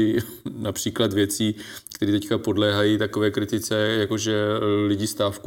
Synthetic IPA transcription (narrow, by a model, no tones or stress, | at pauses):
ɪ | napr̝̥iːklat̪vjɛt͡siːk̚t̪ɛɾiːt̪ɛckapo̞dlɛːɦajit̪akovɛːkɾɪt̪ɪt͡sɛjako̞ʒɛlɪɟɪst̪aːfk